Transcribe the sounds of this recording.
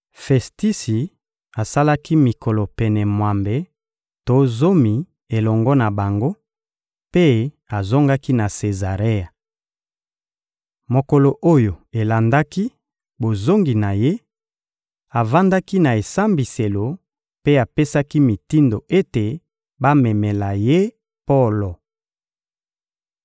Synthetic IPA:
fɛ˨sti˦si˨ | a˨sa˦la˦ki˦mi˨ko˨lɔ˨pɛ˨nɛ˨mwa˨mbe˨ | to˦zo˦mi˨ | e˨lɔ˨ŋɡɔ˦na˨ba˨ŋɡo˦ | pe˦ | a˨zo˦ŋɡa˦ki˦na˨se˨za˨ʁe˦a˨ | mo˨ko˨lo˨ʔo˦jo˨e˨la˨nda˦ki˦ | bo˨zo˦ŋɡi˨na˨je˦ | a˨va˦nda˦ki˦na˨e˨sa˦mbi˨se˨lo˨ | pe˦a˨pe˦sa˦ki˦mi˨ti˦ndo˨e˦te˨ | ba˦mɛ˨mɛ˨la˨je˦ | po˦˨lo˨

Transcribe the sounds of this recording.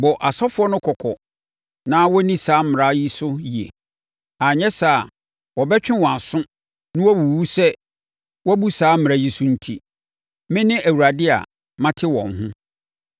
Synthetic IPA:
bɔ˨ʔa˨sɔ˦fʊ˦ɔ˦nʊ̃˦kʰɔ˨kʰɔ˨ | nã˦wɔ˦nĩ˦saː˨˦m̩˦m˨ɾa˦ji˦sʊ˦ji˨ḛ˨ | a˨ɲɛ̃˦sa˦˨ | wɔ˨bɛ˦t͡ɕᶣɪ̃˦wɔ̃˨a˨sʊ̃˦ | nɪ̃˦wɔ˦bu˨wu˦sɛ˦ | wɔ˦bu˦saː˦m̩˦mɪ̃˨ɾa˦ji˦sʊ˦n̩˦tʰi˦ | mɪ̃˦nɪ̃˦ʔæ˨wu˨ɾa˨dɪ˦a̰˨ | mã˦tʰɪ˦wɔ̰̃˨nɦʊ̃˦

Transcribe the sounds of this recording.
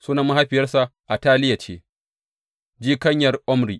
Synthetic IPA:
suː˦na˨mːa˦ɦa˦ɸɪ˨jɐ˦rsa˨ʔa˨taː˦lɪ˦ja˨t͡ʃḛː˦ | d͡ʒiː˦kɐ˦ɲjɐ˨rʔɔ˦mɾiː˨

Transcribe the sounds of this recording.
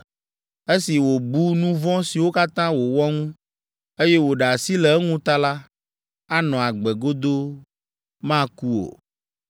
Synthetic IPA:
e˦si˨wo˨bu˦nũ˦vɔ̃˦si˨wo˦ka˦t̪ã˦wo˨wɔ˦ŋũ˦ | e˦je˦wo˨ɖe˨a˨si˦lɛ˨ɛ˦ŋũ˦t̪a˦la˦ | a˦nɔ̃˨a˨ɡ͡bɛ˨ɡo˦d̪o˦ | mã˦ku˦o̰˨

